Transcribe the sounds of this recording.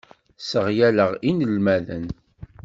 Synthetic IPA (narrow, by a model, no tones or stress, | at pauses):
səʁjæləʁinəlmæðə̰n